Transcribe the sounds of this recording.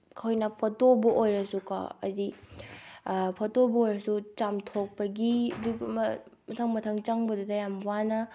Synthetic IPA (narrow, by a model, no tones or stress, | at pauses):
kʰojnɐpʰɐtobɐʔojɾɐsuka̰ɐ̰di | pʰɐtobɐojɾɐsut͡ʃamtʰok̚pɐɡiɐduɡmɐmɐtʰɐŋmɐtʰɐŋt͡ʃɐŋbɐdudɐjamwanɐ